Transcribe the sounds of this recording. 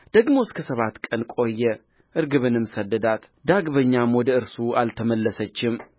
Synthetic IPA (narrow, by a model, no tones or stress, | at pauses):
d̪̥əɡmo̞skʰəsəβat̪kʼənkʼo̞jːɛ | ʔɨɾɡɨβɨnɨmsəd̪ːəd̪at̪ | d̪aɡbəɲːamwɔd̪əɨɾsualt̪ʰəməlːəsət͡ʃːɪm